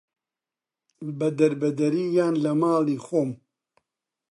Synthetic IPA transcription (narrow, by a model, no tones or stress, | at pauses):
bɐd̪ɐɾbɐd̪ɐɾiːjaːnlɐmaːliːxoːm